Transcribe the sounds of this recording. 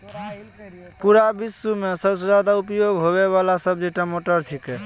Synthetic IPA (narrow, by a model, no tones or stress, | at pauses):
puɾabisːumesəbsed͡ʒad̪aupjoɡɦoβeβalasəb̚d͡ʒeʈəmoʈəɾt͡ʃʰike